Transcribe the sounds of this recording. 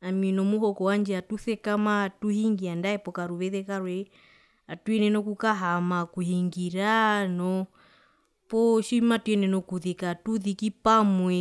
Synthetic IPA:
aminɔmuɦɔkɔwand͡ʒɛatuθɛkamatuhiŋɡiandaɛpɔkaɾuβɛðɛkaɾwɛ | atuɛnɛnɔkukaɦamakuhiŋɡiɾanɔ | pɔʃimatuɛnɛnɔkuðikatuðikipamwɛ

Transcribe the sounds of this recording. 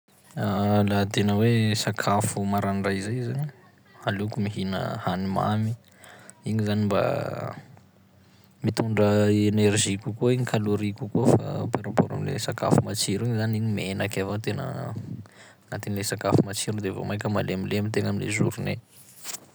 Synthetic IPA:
alat̪enəwesakʰafumaɾanrajizajzani | alukumiɦinə̰hanima̰mi | iɲizanimba̰ | mit̪uɳɖ͡ʐəenerʒikʲukoiɲikʰaluɾikʲukofa̰peɾapoɾa̰milḛsaka̰fumat͡ʃiɾiɲizaniɲimenakavant̪enə̰ | nat̪inlesakafumat͡ʃiɾud̪evo̰majkʲəma̰lemileamit̪eŋamilḛzuɾunḛ

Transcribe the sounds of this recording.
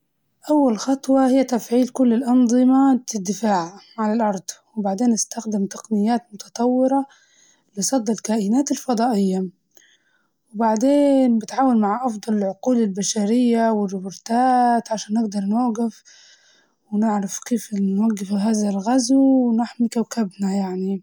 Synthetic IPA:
ʔawːalxɑt̪ˤwɑhɪjːat̪afʕiːlkʊlːɪlʔɑnðˤɨmat̪ɪd̪ːɪfaːʕ | ʕalalʔɑɾˤd̪ˤwɪbaʕd̪eːnːɪst̪axd̪ɪmt̪ɑ̥qnɪjːaːt̪mʊt̪ɑt̪ˤɑwːɪɾɑ | lɪsˤɑd̪ːɪlkaːʔɪnaːt̪ɪlfɑd̪ˤɑːʔɪjːa | wɪbaʕd̪eːnbɪt̪ʕaːwanmaʕʔɑfd̪ˤɑlɪlʕʊquːlɪlbaʃaɾɪjːawɪrːɪbʊɾt̪aːt̪ʕaʃaːnːɪɡd̪ɑɾˤnwaɡɪf | wɪnɪʕɾˤɑfkeːfnwaɡːɪfɦaːðalɣazuwnɪħmikawkabnajaʕni

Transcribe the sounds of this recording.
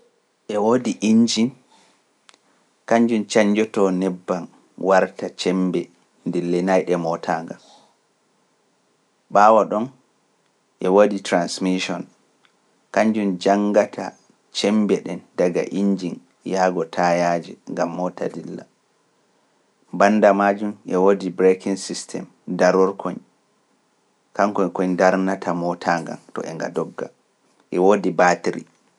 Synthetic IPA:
ʔɛwodiʔiɲd͡ʒin | kaɲd͡ʒunt͡ʃaɲd͡ʒɔtɔnɛbːan | waɾtat͡ʃɛmbɛ | ndilːɛnajɗɛmɔtʰaːŋɡal | ɓaːwaɗɔn | ʔɛwoditɾansmiʃɔn | kaɲd͡ʒund͡ʒaŋɡatʰa̰ | t͡ʃɛmbɛɗɛndaɡa̰ʔiɲd͡ʒin | jaɡɔtʰajad͡ʒḭŋɡamːɔtʰa̰dilːa | banːdamad͡ʒumʔɛwodibɾekiŋsistʰɛ̰m | daɾɔɾkʰoɲ | kaŋkɔɲkɔɲdaɾnatʰamɔtʰaŋɡa̰ntɔ̰ʔɛŋɡa̰dɔɡːa̰ | ʔɛwodibatiɾḭ

